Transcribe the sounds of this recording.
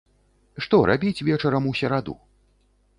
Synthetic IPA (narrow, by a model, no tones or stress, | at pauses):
ʂt̪ɔɾʔa̰bʲit͡sʲvʲɛt͡ʂɐɾɐmusʲɛɾad̪ṵ